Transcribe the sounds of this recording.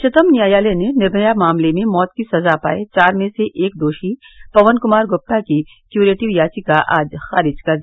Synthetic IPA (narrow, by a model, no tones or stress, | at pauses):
ʃɪt̪əmnjaːjaːlenenɪɾnəjamaːmlemẽmɔːt̪kisɐzapa̰ːet͡ʃaːɾmẽseʔeːk̚d̪oːʃi | pɐʋənkʊmaːɾɡʊp̚t̪aki | kjuːɾeːʈɪʋjaːt͡ʃikaʔa̰ːd͡ʒxaːɾɪd͡ʒkɐɾd̪ia